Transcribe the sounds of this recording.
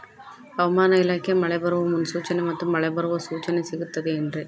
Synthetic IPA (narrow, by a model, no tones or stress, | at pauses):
ɐʋɐmaːnɐɪlaːkːɐmɐɭɐɪbɐɾɯʋɐmʊnsuːt͡ʃɐnɛɪmɐt̪ːɯmːɐɭɐɪbɐɾɯʋɐsuːt͡ʃɐnɛsɪɣɯt̪ːɐðɯɛndrɯ